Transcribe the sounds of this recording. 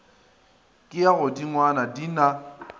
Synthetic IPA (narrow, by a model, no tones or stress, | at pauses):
kʼɪjaɣʊdiŋwanadina